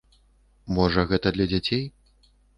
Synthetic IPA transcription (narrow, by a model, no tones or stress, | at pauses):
mɔʐɐɣɛt̪ɐd̪lʲɐd͡zʲat͡sʲej